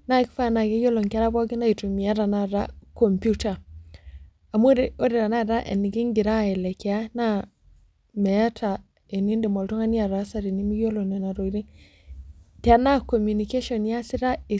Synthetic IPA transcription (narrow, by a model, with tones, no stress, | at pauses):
na˦kfa˦˨na˨ɡe˦jo˦lo˨ŋka˦ɾa˦bɔ˦ɡi˦na˦i˨tu˨mi˨ja˦ɾa˨na˦ɾa̰˦ko˨mpju˦ta˨ | a˨mu˦ɾo˦ɾi˨ɾa˨na˦ɾa˦ʔḛ˨nːi˨ɡi˦ŋɡi˨ɾa˦˨ɛ˨lɛ˨ki˨a˦na˦ | me˨ja˦ta˨ | e˨ni˦ndi˨mo˨ltu˦ŋa˦ni˦a˨ɾa˨˦sa˦ɾi˨ni˦mi˦o˦lo˨ne˨na˨ɾo˨i˦ɾi˦ | ti˨a˨na˦ko˨mju˨ni˨ke˦ʃɔ˨nja˦si˦ɾa˦e˨